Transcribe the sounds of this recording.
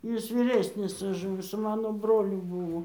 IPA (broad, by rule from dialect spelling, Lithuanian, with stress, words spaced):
ˈjɪs ʋʲiːˈrʲæːsʲnʲɪs ʊʃ ˈmʊs sʊ ˈmɑːnoː ˈbroːlʲʊ ˈbuːʋoː